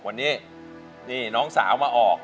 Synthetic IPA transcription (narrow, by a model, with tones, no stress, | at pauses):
wa˧nːiː˦˥˩ | niː˧˩nɔː˦˥ŋsaː˩˦wmaː˧ʔɔː˨˩k̚